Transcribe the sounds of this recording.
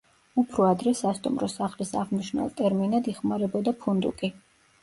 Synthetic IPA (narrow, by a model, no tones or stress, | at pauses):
upʰɾɔad̪ɾɛsast̪ʼṵmɾɔsaχlisaʁmiʃnɛ̰lˠt̪ʼɛɾminad̪iχmaɾɛbɔd̪apʰund̪ukʼi